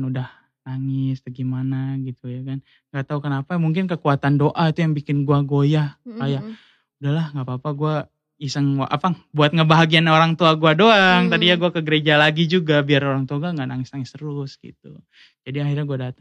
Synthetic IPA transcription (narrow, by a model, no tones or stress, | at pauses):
nudah | naŋɪslaɡimanaɡit̪ujakan | ŋɡaʔt̪aɦukənapamuŋk̬ɪnkəkuat̪andoʔait̪ujaŋbikɪnɡuaɡojaaja | udahlahŋɡapaːpaɡua | isəŋaʔa̰pabuat̪̚ŋabaɦaɡianaoɾaŋt̪uaɡuadoaŋt̪adijaɡuakəɡəɾed͡ʒalaɡid͡ʒuɡabiaroɾaŋt̪uaɡuaŋɡaʔnaŋɪsnaŋɪst̪əɾʊsɡḭt̪̚u | d͡ʒadiahɪrɲaɡuadat̪aŋ